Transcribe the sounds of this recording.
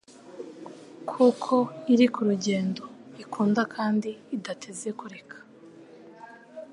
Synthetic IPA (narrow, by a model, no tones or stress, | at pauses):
kʰukʰo̞iɾikuɾuɟe̞ːndo̞ikʰuːndakʰaːndiːdatʰeze̞kuɾe̞kʰḁ